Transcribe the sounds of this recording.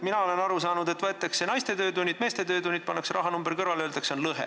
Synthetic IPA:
minɑo̞le̞nɑɾusɑːnud̪e̞t̪ːˑvæt̪ːˑeksenɑjst̪e̞t̪ø̞ːt̪unʲːid̪̥me̞ːst̪e̞t̪ø̞ːt̪unʲːit̪̚pɑnːeksɾʔɑɦɑnumbeɾkɤɾvɑlø̞ːld̪̥ekso̞nlɤɦḛ

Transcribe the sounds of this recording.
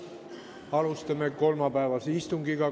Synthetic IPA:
ɑlust̪ɑmeko̞lmɑpæːvɑseist̪uŋɡiɡɑ

